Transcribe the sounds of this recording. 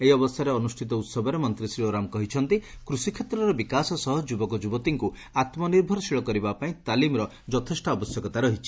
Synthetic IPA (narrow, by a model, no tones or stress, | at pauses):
eiɔbɔst̪ʰaɾeɔnusʈʰit̪ɔut̪sɔbʱɔɾemɔnt̪ɾisɾioɾamkɔɦit͡ʃʰɔnt̪ikɾusikʰet̪ɾɔɾɔbikasɔsɔɦɔd͡ʒubɔkɔd͡ʒubɔt̪iŋku | at̪mɔniɾbʱɔɾɔsiɭɔkɔɾibapaĩt̪alimɾɔ | d͡ʒɔt̪ʰesʈɔɔbɔsjɔkɔt̪aɾɔɦit͡ʃʰi̥